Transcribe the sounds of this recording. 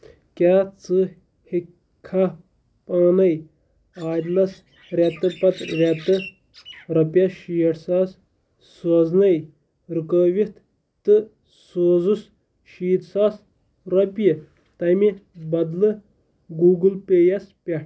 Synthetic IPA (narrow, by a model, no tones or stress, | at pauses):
kʲaːt͡sɨ | hi | kʰːa | paːnɐj | aːd̪lɐs | ɾʲat̪ɨpɐt̪ɾʲat̪ɨ | ɾɐpjɐʃijɐʈsaːsː | oːznɐj | ɾukəːʋit̪ | t̪ɨ | soːd͡zus | ʃiːt̪saːs | ɾɐpji | t̪ɐjmibɐd̪lɨ | ɡuːɡɨlpeːjɐspʲɐʈ